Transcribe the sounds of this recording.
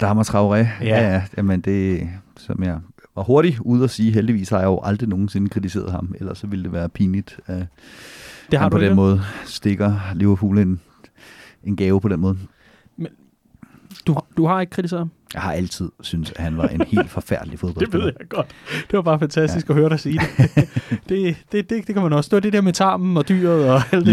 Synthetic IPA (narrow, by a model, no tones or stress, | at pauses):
d̥ɑ̈hɑmɑt͡sʰʁɑ̈ʊʁɛæjæmend̥e̝sɒ̽mjɑ̈ɪʋɑ̈ho̝ɐɾ̥iuːð̞ˠɒsiːɦeld̥iʋḭːshɑ̈jajʊʔɑ̈ld̥ʁino̝ːn̩se̝nəkʰʁit͡sʰise̝̰ːɐð̞̩ˠhɑ̈melɐsːɒ̽ʋiləd̥e̝ʋæːɐpʰiːnid̥æ | dehɑmʰɒd̥enmɔ̽ːð̞ˠsd̥e̝ɡ̥ɐliʊɐpʰṵːle̝n | e̝nɡ̥ɛːʊpʰɒ̽d̥enmɔ̽ːð̩ˠ | men | d̥uhd̥uhɑ̈e̝ɡ̥ə̥kʰʁit͡sʰise̝ɐmjɑ̈ɪhɑ̈ælt͡sʰið̞̰ˠsynsæhænʋɑ̈ʔe̝nhe̝̰ːld̥fɒ̽fæɐ̰d̥lifo̝ðˠb̥ɒeʋe̝ð̞̰ˠjɑɪɡ̥ɒ̽d̥d̥e̝ʋɑ̈b̥ɑ̈ːfænt͡sʰæsd̥isɡ̥ɒ̽høːɐɾɑ̈ɪsiːd̥e | d̥e̝d̥e̝d̥ed̥ekʰæmænɒ̽sd̥eɐd̥e̝d̥eɐmet͡sʰɑ̰̈ːmn̩ɒ̽d̥y̰ːɐð̩ˠɒ̽æl̰d̥